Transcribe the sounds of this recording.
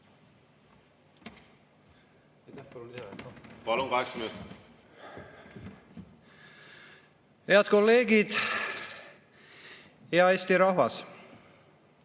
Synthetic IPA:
t̪p | pɑluŋkɑɦeksminut̪ | heɑd̪̥ko̞lːe̞ːɡid̪̥ | jɑe̞ːst̪iɾɑhvɑs

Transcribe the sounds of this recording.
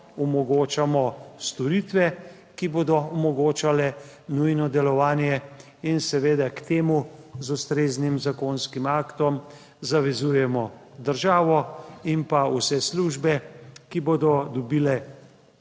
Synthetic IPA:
ɔmɔɡoːt͡ʃamɔst̪ɔɾit̪ʋɛ | kiboːd̪ɔɔmɔɡoːt͡ʃalɛ | nujnɔd̪ɛlɔʋaːnjɛ | insɛʋeːd̪akt̪eːmuzust̪ɾeːznimzakonskimaːkt̪ɔm | zaʋɛzuːjɛmɔd̪əɾʒaːʋɔimpausɛsluʒbɛkiboːd̪ɔd̪ɔbiːlɛ

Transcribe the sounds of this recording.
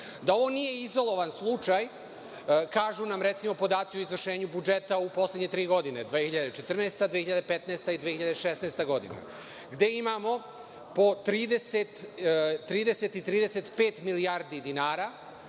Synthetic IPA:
d̪ao̞ʋo̞nije̞izo̞lˠo̞ʋanslˠut͡ʃaj | kaːʒunamɾe̞t̪simo̞po̞d̪aːt̪sioizʋr̩ʃe̞ːɲubud͡ʒet̪aupo̞slˠedɲe̞t̪ɾiːɡo̞d̪ine̞d̪ʋeːhiʎad̪et͡ʃe̞t̪r̩neːst̪ad̪ʋehiʎad̪epet̪naːst̪aid̪ʋehiʎad̪eʃesneːst̪eɡo̞d̪ḭnḛ | ɡd̪e̞imamo̞ | po̞t̪ɾiːd̪eset̪ː | ɾiːd̪e̞set̪it̪ɾiːd̪eset̪peːt̪miliaːɾd̪id̪inaːɾa

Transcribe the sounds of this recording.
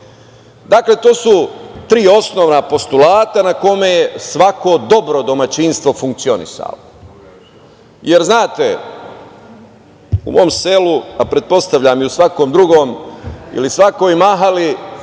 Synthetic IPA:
d̪aːkle̞t̪o̞ːsut̪ɾiːo̞sno̞ːʋnapo̞st̪ulaːt̪anako̞mejesʋako̞d̪o̞bɾo̞d̪o̞mat͡ɕinst̪ʋo̞fuŋk̚t̪sio̞nḭsa̰lo | jeɾznaːt̪e | ṵmo̞ːmse̞luapɾe̞t̪̚po̞st̪aʋʎamiusʋako̞ːmd̪ɾuɡo̞ːmḭlisʋako̞jmaɦali

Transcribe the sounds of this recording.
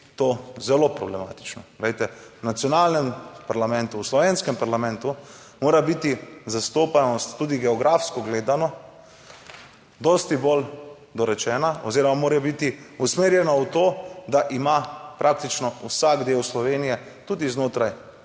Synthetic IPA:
t̪oːzɛlopɾɔ̰blɛma̰ːt̪i̥t͡ʃnɔɡlejt̪ɛwnat̪sjɔnaːlnɛmpaɾlamɛ̃nt̪uwslɔʋenskɛmpaɾlamɛ̃nt̪u | moːɾabit̪izast̪oːpanɔst̪ːuːd̪iɡɛɔɡɾafskɔɡleːd̪anɔ | d̪ɔst̪ibol | d̪ɔɾɛt͡ʃɛːnaɔziɾɔmamoːɾɛbit̪iusmeːɾjɛnaut̪oːd̪aʔimapɾʔak̚t̪it͡ʃnɔusaɡd̪eːwslɔʋeːnijɛ | t̪uːd̪iznoːt̪ɾaj

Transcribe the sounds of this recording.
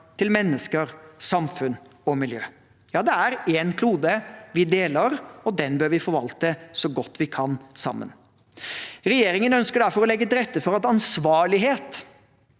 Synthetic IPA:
t̪ʰɪlmɛnːəskəɾsɑmfʉnɔmɪljøː | jɑːd̪ɛæɾeːnkʰluːd̪əʋɪd̪eːləɾɔd̪ɛnbøːɾʋɪfɔɾʋɑlt̪əsɔɡɔt̪ːʋɪkʰɑnsɑ̰mːə̰n | ɾɛjeːɾɪŋənœnskəɖæɾfɔɾɔlɛɡːət̪ɪɾɛt̪ːəfɔɾɑt̪ɑnsʋɑːɭɪɦeːt̪

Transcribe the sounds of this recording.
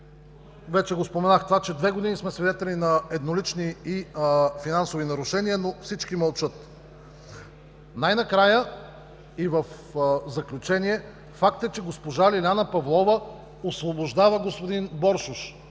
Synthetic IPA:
vɛt͡ʃɛɡospomɛnaxt̪ovat͡ʃɛd̪vɛɡod̪inismɛsvid̪ɛt̪ɛlinɐɛd̪nolit͡ʃniifinansovinɐɾʊʃɛniənofsit͡ʃkimɐlˠt͡ʃɤt̪ | najnɐkɾajə | ivəf | zɐklʲut͡ʃɛniɛ | fak̚t̪ɛt͡ʃɛɡospoʒalilʲanəpɐvlˠɔvə | osvoboʒd̪avəɡospod̪inbɔɾʃuʃ

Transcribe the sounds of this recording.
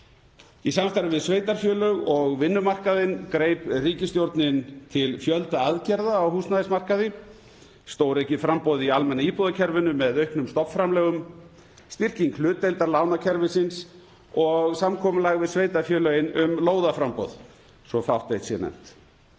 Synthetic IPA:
isamst̪aɾɪvɪðsveːjt̪aɾ̥fjœːlœɣɔɣvɪnːʏmar̥kaðɪnkɾeːjpriːcɪst̪jowɾt̪nɪnt̪ʰɪlfjœlt̪aaðcɛɾðaːwhuːsnaðɪsmar̥kaðɪ | st̪oːwɾɛhcɪfɾampowðialmɛnːaiːpɔðacʰɛɾvʏnʏmɛðœɥhpnʏmst̪ɔpfɾamlɛːɣʏm | st̪ir̥ciŋkʰlʏːt̪ejlt̪aɾlaːwnacʰɛɾvɪsɪns | ɔɣsamkʰɔmʏlaɣvɪðsveːjt̪aɾfjœːlœɣɪnʏmloːwðafɾampo̰ð | svɔfawht̪ːejht̪sɛ̰nɛ̰n̥t̪

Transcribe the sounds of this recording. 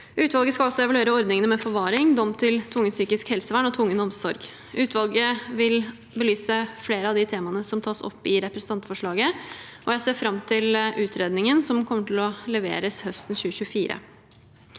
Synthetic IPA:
ʉːt̪ʋɑlɡəskɑlɔsɔɛʋɑlʉeːɾəɔɾd̪nɪŋənəmɛfɔɾʋɑːɾɪŋd̪ɔmt̪ʰɪlt̪ʰʋʊŋːənsyːkɪskhɛlsəʋæɳɔt̪ʰʋʊŋːənɔmsɔɾɡ | ʔʉːt̪ʋɑlˠɡəʋɪl | bəlyːsəfleːɾəɑʋd̪ɪt̪ʰeːmɑnəsɔmt̪ʰɑːsɔ̰pːɪɾɛpɾəsn̩t̪ɑnt̪fɔʂɭɑːɡə | ʔɔjæɪseːɾfɾɑmt̪ʰɪlʔʉːt̪ʰɾeːd̪nɪŋənsɔmkʰɔmːəʈʰɪlɔlɛʋḛːɾəshœst̪nçʉːɕʉːəfiːɾə̰

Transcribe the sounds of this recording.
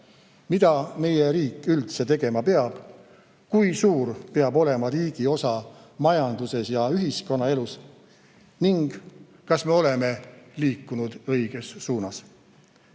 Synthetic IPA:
mid̪̥ɑme̞jeɾiːkːˑylt̪se̞t̪e̞ɡ̥e̞mɑpe̞ɑb̥ | kujsuːɾpeɑbo̞le̞mɑɾiːɡ̥io̞sɑ | mɑjɑnd̪̥use̞sjɑyɦisko̞nːɑe̞lus | niŋɡ̥ | kɑsme̞o̞le̞me̞liːkːunud̪̥ɤjɡ̥e̞sːuːnɑs

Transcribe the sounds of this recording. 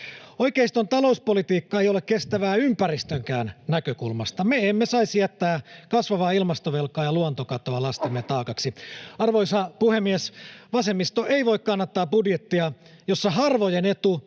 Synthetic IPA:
oikeist̪ont̪ɑlo̞uspolit̪iːkːɑejolekkest̪æʋæːympærist̪øŋkæːnnækøkulmɑst̪ɑmeemːesɑisjæt̪ːæːkɑsʋɑʋɑːilmɑst̪oʋelkˑɑːjɑluont̪okɑt̪oɑlɑst̪emːet̪ɑːkɑksiɑrʋoisɑpuhemːiesʋɑsemːist̪oʔeiʋo̞ikkɑnːɑt̪ːɑːbudjet̪ːiɑ | josːɑɦɑrʋojenet̪u

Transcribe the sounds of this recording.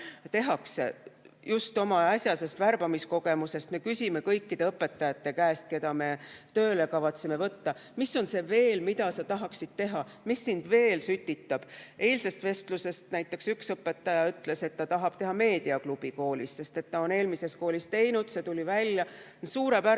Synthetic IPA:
t̪e̞ɦɑksḛ | just̪o̞mɑɑsʲjɑse̞st̪værb̥ɑmisko̞ɡ̥e̞muse̞st̪me̞kysʲime̞kɤ̞jkːid̪̥eɤpːˑe̞t̪ːˑɑjɑt̪ːe̞kæest̪̚ke̞d̪̥ɑme̞t̪ø̞ːle̞kɑvɑt̪simevɤt̪ːɑ | misːo̞nse̞ve̞ːlmid̪̥ɑsɑt̪ɑɦɑksid̪̥̚t̪e̞ɦɑ | misːind̪̥ve̞ːlsyt̪ʲːit̪ːɑb̥e̞ːlse̞st̪ve̞st̪luse̞st̪næjt̪ːˑe̞ksyksɤpːˑe̞t̪ːˑɑjɑyt̪le̞se̞t̪ːɑt̪ɑɦɑb̥̚t̪e̞ɦɑme̞ːd̪̥iɑklub̥iko̞ːlisse̞st̪e̞t̪ːɑo̞ne̞ːlmise̞s̚ko̞ːlist̪e̞jnud̪̥se̞t̪ulʲivælʲjɑ | nsuːɾe̞bæ

